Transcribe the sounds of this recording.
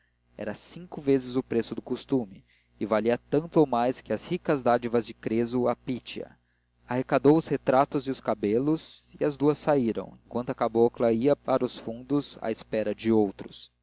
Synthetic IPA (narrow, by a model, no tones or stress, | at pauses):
ɛ̰ɾɐsĩŋkʊvezɪzʊpɾesʊd̪ʊkust̪umɪː | valiɐt̪ɐ̃nt̪ʊowmajskɪɐshikɐzd̪ad͡ʒivɐzd͡ʒɪkɾezʊapit͡ʃiɐ̰ | ahekad̪owʊshet̪ɾat̪ʊziʊskabelʊziɐzd̪uɐsaiɾɐ̰̃w̃ḛ̃ŋkwɐ̃nt̪ʊɐkaboɐklɐiɐpaɾɐʊsfũnd̪ʊza̰espɛɾɐd͡ʒɪowt̪ɾʊs